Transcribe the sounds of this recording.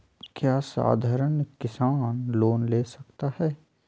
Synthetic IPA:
kjaːsa̰ːd̪ʱaːɾənkɪsaːnloːnleːsɐkt̪ahɛː

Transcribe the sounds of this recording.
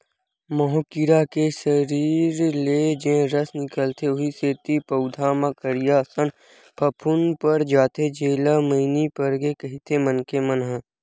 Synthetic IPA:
mɔɦõkɪɾakeʃəɾiːɾleːd͡ʒẽɾəsnɪkəlt̪ʰeʊiseːt̪ipɐʊd̪ʱaːmãkəɾijasən | pʰɐpʰʊnpəɾd͡ʒaːt̪ed͡ʒeːlaməɪnipəɾɡekɐɦit̪ʰemənkemənɦã

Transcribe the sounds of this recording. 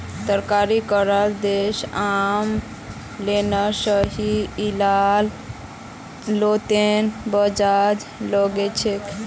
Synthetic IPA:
t̪əɾkaɾikəɾəld̪esam | lenasəɦiːlal | lot̪enbəd͡ʒad͡ʒloɡet͡ʃʰek

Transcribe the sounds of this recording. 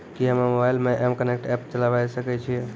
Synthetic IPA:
kiɦəməmobajlmeʔɛmkənek̚ʈɛpt͡ʃəlabajsəkɛt͡ʃʰie

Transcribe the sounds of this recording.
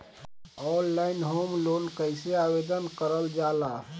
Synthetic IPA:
ɔllaɪnɦomlonkəɪseabed̪ənkəɾəld͡ʒala

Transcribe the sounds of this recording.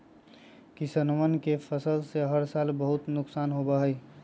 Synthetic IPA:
kisənmənkepʰəsəlseɦəɾsaːlbəɦut̪nʊksaːnɦobəɦəj

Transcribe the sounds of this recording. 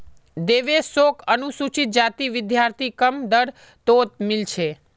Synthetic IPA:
d̪eʋesokənusut͡ʃit̪̚d͡ʒat̪iʋɪd̪jaɾt̪ʰikəmd̪əɾ | t̪ot̪̚milt͡ʃʰe

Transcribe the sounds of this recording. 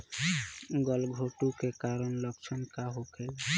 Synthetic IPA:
ɡʌlɡʱoʈukekaɾənləkt͡ʃʰənkaɦokʰel

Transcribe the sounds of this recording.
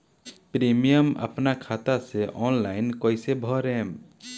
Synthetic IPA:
pɾimijəma̰pnakʰat̪aseʔɔnlajnkɔjsebʱɔɾɛm

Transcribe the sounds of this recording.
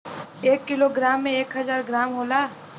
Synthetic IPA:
eːkːɪloɡɾaːmːẽeːkɦɐzaːɾɡɾaːmɦoːlaː

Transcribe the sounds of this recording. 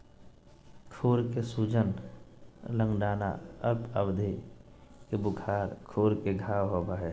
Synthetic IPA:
kʰoːɾkesuːd͡ʒən | lə̃ŋɡɖaːna̰əbəbd̪ʱe | kebʊkʰaːɾkʰoːɾkeɡʱaːwɦoːbaːɦɛː

